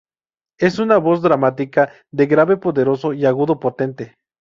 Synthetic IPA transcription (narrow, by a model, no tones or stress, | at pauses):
e̞sunaβos̬d̪ɾamat̪ika | d̪eɣɾaβepoðeɾo̞soiaɣuðopot̪e̞nt̪e